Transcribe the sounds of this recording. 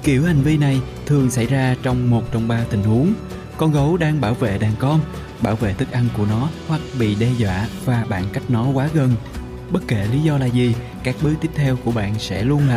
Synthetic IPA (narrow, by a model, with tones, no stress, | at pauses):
ki˧˩əwha˨˩jŋ̟vi˧na˨˩j | t̪ʰɨ˨˩əŋsa˧˩jzaː˧t͡ɕɔ˧wŋ͡mmo˨˩t̚t͡ɕɔ˧wŋ͡mɓaː˧t̪ï˨˩ŋ̟hu˨˦əŋ | kɔ˧nɣə˨˦wɗaː˧ŋɓaː˧˩wvḛ˧˨ɗaː˨˩ŋkɔ˧n | ɓaː˧˩wvḛ˧˨t̪ʰɨ˦˥k̚ʔa˧jŋku˧˩ənɔ˨˦hwa˨˩k̚ɓḭ˧˨ɗɛ˧zwa̰ː˧˨vaː˨˩ɓa̰ː˧˨nka˦˥jk̟̚nɔ˨˦kwaː˨˦ɣə˨˩n | ɓə˦˥t̚ke˧˩li˨˦zɔ˧laː˨˩zi˨˩ | kaː˦˥k̚ɓɨ˦˥t̪i˦˥əp̚t̪ʰɛ˧wku˧˩əɓa̰ː˧˨nsɛ̰˧˥lu˧ənlaː˨˩